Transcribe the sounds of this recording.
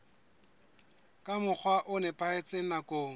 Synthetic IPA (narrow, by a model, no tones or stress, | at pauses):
kʼamʊk͡xʰwaʔʊnɛpʼaet͡sʼenakʼoːŋ̩